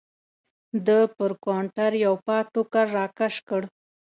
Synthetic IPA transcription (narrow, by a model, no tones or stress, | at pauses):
d̪əpəɾkaɳʈaɾjawpɑʈokaɾːɑkaʂkəɽ